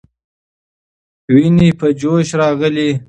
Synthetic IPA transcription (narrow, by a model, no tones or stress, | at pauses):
winipʰəd͡ʒoʃɾɑːɣəli